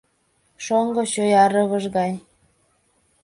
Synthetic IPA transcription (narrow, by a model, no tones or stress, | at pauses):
ʃoŋɡŏɕøjɑɾɤɣɤ̆ʒɣɑj